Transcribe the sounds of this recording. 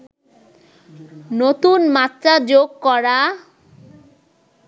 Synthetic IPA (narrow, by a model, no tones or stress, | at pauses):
not̪unmat̪ːɾad͡ʑoɡ̚kɔɽa